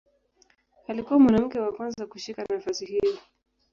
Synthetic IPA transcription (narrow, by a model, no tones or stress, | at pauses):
alikuwamwanam̩kɛwakwanzakuʃikanaafasihii